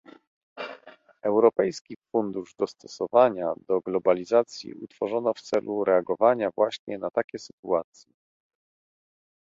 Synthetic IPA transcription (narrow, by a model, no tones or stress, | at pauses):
ɛwɾɔpɛjskʲifund̪uʐd̪ɔst̪ɔ̥sɔvaɲad̪ɔɡlɔbalʲizat̪sʲjḭut̪fɔʐɔnɔft̪sɛlʔuɾɛaɡɔvaɲavwaɕɲɛnat̪akʲɛsɘt̪uat̪sʲjɛ